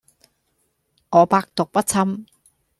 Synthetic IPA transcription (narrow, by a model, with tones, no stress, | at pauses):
ŋɔː˨˧paː˧k̚t̪ʊ˨k̚pɐ˦˥t̚t͡sʰɐ˧m